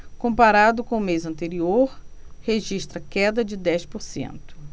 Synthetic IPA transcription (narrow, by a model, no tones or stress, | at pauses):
kõpaɾad̪ʊkõʊmejzɐ̃nt̪eɾioɾheʒiʃt̪ɾɐkɛd̪ɐd͡ʒɪd̪ɛspoɾsḛ̃nt̪ʊ̥